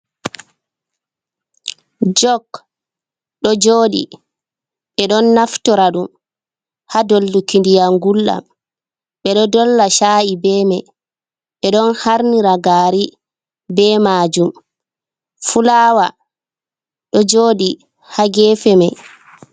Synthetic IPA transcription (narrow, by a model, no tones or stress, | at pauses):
d͡ʒɔk | ɗɔd͡ʒoːɗḭ | ɓɛɗɔnːaftɔɾaɗum | hadolːukindijaŋɡulɗa̰m | ɓɛɗɔdɔlːaʃaʔibɛːmaj | ɓɛɗɔnhaɾniɾaɡaɾi | bɛmaːd͡ʒum | fulaːwa | ɗɔd͡ʒoːɗi | haɡɛːfɛmaj